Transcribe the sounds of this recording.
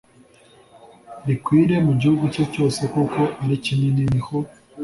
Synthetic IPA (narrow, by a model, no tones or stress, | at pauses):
ɾikwiːɾe̞muɟihuɡuco̞co̞ːse̞ko̞ko̞ʔaɾicininiɾiho